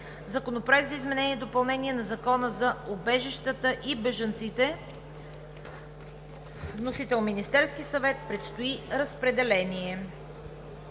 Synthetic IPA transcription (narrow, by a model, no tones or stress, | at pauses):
zɐkonopɾoʊɛk̚t̪zɐizmɛnɛniɛd̪opɐlˠnɛniɛnɐzɐkɔnəzɐobɛʒiʃt̪ət̪əʔibɛʒənt̪sit̪ɛ | nosit̪ɛlˠminist̪ɛɾskisɐvɛt̪̚pɾɛt̪st̪oiɾəspɾɛd̪ɛlɛnʲiɛ